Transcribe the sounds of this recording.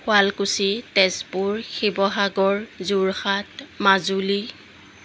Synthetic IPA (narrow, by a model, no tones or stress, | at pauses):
xwalkusitɛspuɹxibɔɦaɡɔɹzuɹxatmazuli